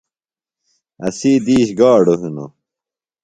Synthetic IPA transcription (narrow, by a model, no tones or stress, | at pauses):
ɐ̰siːd̪iːɕɡaːɖoɦino̰